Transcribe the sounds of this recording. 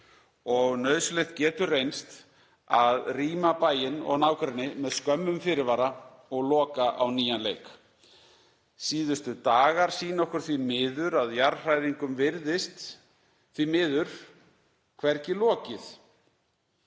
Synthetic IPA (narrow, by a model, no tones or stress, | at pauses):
ɔɣnœːɥðslejht̪̚cɛːt̪ʏrejnst̪ | aðriːmapaːjɪnɔ̰ɣnaːwkɾɛnɪmɛðskœmːʏmfɪɾɪvaːɾa | ɔɣlɔːkaʔawniːjanlejk | siːðʏst̪ʏt̪aːɣaɾ̥siːnɔhkʏɾ̥θvimɪːðʏɾaðjaɾr̥ajɾiŋkʏmvɪɾðɪst̪ | θvimɪːðʏɾ̥ | kʰvɛɾcɪlɔːcɪθ